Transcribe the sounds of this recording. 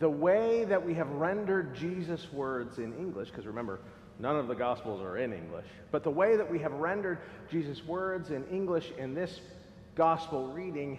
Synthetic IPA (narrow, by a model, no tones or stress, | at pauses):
ðəweɪðɨt̚wiɨvɹɛ̃ndə˞d̚d͡ʒizɨswɜ˞dzɨ̃nɪ̃ŋɡlɪʃkʰʌzɹɨmɛ̃mbə̰˞ | nʌ̃nʌvðɨɡɑspl̩ˠzə̰˞ɪ̃nɪ̰̃ŋɡlɪ̰ʃ | b̥ʌt̪̚ðəweɪðɨt̚wiɨvɹɛ̃ndə˞d̚ | d͡ʒizɨswɜ˞dzɨ̃nɪ̃ŋɡlɪʃɪ̃nðɪs | ɡ̥ɑspl̩ˠɹiɾɪ̃ŋ